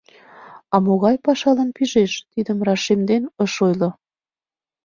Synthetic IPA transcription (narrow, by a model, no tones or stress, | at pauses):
ɑmoɣɑjpɑʃɑlə̆npiʒeʃt̪id̪əmrɑʃemd̪enəʃojlo